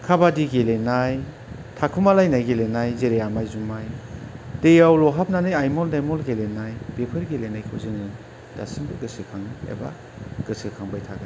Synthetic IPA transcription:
kʰabadiɡelenaj | tʰakʰumalajnajɡelenajzeɾejamajzumajd̥ejawlɔɦap̚nanɯjajmɔldajmɔlɡelenajb̥epʰɯɾɡelenajkʰɯwzɯnɯ | d̥a̰sɯŋbɯɡɯsɯkʰaŋɯḛba̰ | ɡ̥ɯsɯkʰaŋbajtʰaɡa

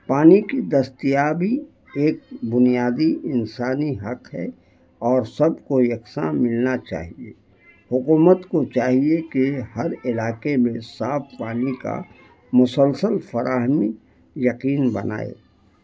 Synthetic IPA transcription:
paːnikid̪ɐst̪ijabʱi | eːk̚bʊnijaːd̪iɪnsaːniɦɐqɦɛ̰ | ɔːɾsɐbkojɐksãmɪlnat͡ʃa̰ːɦiḛ | hʊkuːmət̪kot͡ʃaːɦiekehɐɾɪlaːqemẽsaːfpaːnika̰ | mʊsəlsəlfɐɾʔaːɦmi | jɐqiːnbɐ̰na̰ːḛː

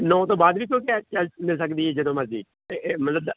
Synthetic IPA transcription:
nõːt̪õːbaːd̪ʋiːk̬jõːkɛt͡ʃəlmɪlsəkd̪iːɦɛːd͡ʒəd̪õːməzd͡ʒiːd̪ | emət̪ləb

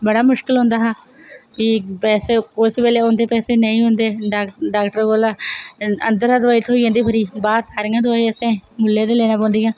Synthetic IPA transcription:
bəɽaːmʊʃkɪlɦõʊ̃ːnd̪aːɦaː | ʋiːpɛːseːkosbeːleːʊnd̪eːpɛːseːnəĩːɦʊ̃nd̪eːɖaːɖaːkʈəɾɡoːlaːə̰nd̪əɾad̪əʋaːit̪ɦoːiãːnd̪iːbʱəɾiːbaːd̪saːɾiːãːd̪ʋaːiəsẽːmʊlːeːd̪eːleːnaːpɔ̃ːnd̪iːãː

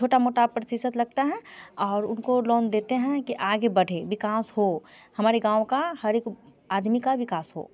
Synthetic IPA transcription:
t͡ʃʰoːʈamoːʈapɾəsɪsət̪lɐɡ̚t̪aɦɛ̃ɔːɾʊnkolɔːnd̪eːt̪eɦɛ̃kiʔaːɡebɐɽ̤ʱeʋɪkaːsɦo | hɐmaːɾeɡãːʋõkahɐɾek | aːd̪mikaʋɪkaːsɦo̰ː

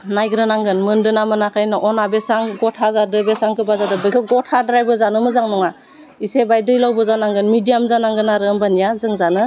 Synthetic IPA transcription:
najɡɾɯnaŋɡɯnmɯndɯnamɯnakʰɯjnɯʔɔnabesaŋɡɔtʰazadɯbesaŋkʰɯbazadɯbɯjkʰɯɡɔtʰadɾajbɯzanɯmɯzaŋnɔŋa | isebajdɯjlawbɯzanaŋɡɯnmidijamzanaŋɡɯnaɾɯmbanijazɯŋzanɯ

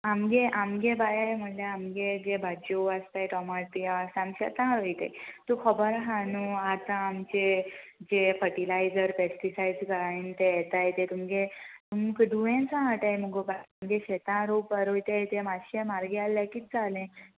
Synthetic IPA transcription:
amɡeʔamɡebajajm̤əʈlaamɡed͡ʑebʱad͡ʑowast̪ajʈɔmaɾʈ̪iasamɕɛ̰t̪ãɾojt̪ḛt̪ukʰəbəɾɦãnuat̪ãamt͡ɕed͡ʑefəʈilajd͡zəɾpesʈisajd͡zkəɾaint̪ejɛt̪ajet̪et̪umɡet̪umɡɖuʋẽnt͡sãɦaʈajemuɡobaamɡeɕet̪ãɾopaɾojt̪ejet̪emaɕemaɾɡealːjakit̪̚t͡salẽ

